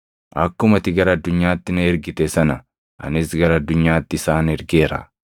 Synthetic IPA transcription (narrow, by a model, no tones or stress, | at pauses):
ʔɐkːʊmɐt̪ɪɡɐɾɐːd̪ːʊɲːaːt̪ːɪnɐɛɾɡɪt̪ɛsɐnɐ | ʔɐ̰nɪsɡɐɾɐɐd̪ːʊɲːaːt̪ːɪɪsaːnɛɾɡeːɾɐ̰